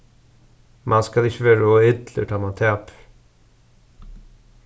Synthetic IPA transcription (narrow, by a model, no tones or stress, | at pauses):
mʔɑnskɑlɪçəʋøːɾoːɪd̪lə̰ʈʰɑːmɑnt̪ʰeːp